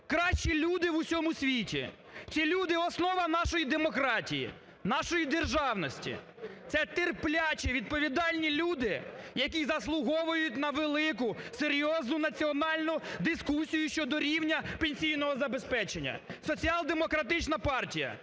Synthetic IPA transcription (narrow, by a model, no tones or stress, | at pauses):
kɾɑʃt͡ʃilʲud̪ɪʋʊsʲɔmʊsʲʋʲitʲḭ | t͡s̪ʲilʲud̪ɪɔsnɔʋɐnɑʃɔjid̪emɔkɾɑtʲijḭ | nɑʃɔjid̪erʒɑwnɔsʲtʲḭ | t̪sɛt̪erplʲat͡ʃɛʋʲid̪̚pɔʋʲid̪ɑlʲnʲilʲud̪ɪjɐkʲizɐslˠʊɦɔʋʊjʊtʲnɐʋelˠɪk̬ʊseɾʲjɔznʊnɐt͡sʲiɔnɑlʲnʊd̪ɪskusʲijʊʃt͡ʃɔd̪ɔɾʲiwnʲɐpenʲsʲijnɔɦɔzɐbespɛt͡ʃenʲːɐ̰sɔt͡sʲiɑlˠd̪emɔkɾɐt̪ɪt͡ʃnɐpɑrtʲijɐ̰